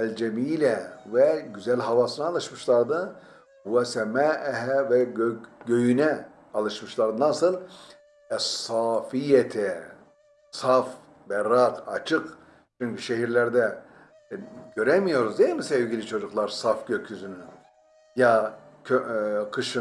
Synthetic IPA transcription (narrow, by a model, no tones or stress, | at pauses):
ælʲd͡ʒɛmiːlʲɛvɛɟyzælʲɦavasɯnaːlˠɯʃmɯʃlˠaɾd̪ɯ | buasɛmæʔɛɦɛvɛøɡøjynɛ | ɑlˠɯʃmɯʃlˠaɾd̪anasɯlˠ | ɛsːaːfijet̪ʰɛ | saf | bɛɾaqat͡ʃʰɯq | t͡ʃʰyɲʲcyʃeɦiɾlʲæɾd̪ɛ | ɟø̞ɾɛmijo̞ɾuzd̪eilʲmisevɡilʲit͡ʃʰo̞d͡ʒuklˠaɾsafɟøcʰjyzyny | ja | øqʰɯʃɯ